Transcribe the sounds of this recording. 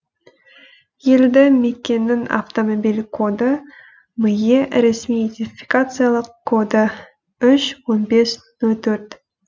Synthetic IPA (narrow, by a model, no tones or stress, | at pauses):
je̞ld̪ɪmekʲːe̞nːɪŋa̰ft̪omobilʲkʰod̪ə | mɨjeɾesmijid̪ʲenʲfʲi̥kat̪sɨjalˠəqkʰːo̞d̪ə | ʏʃwo̞nbe̞s | nɵlˠt̪ʰɵɾt̪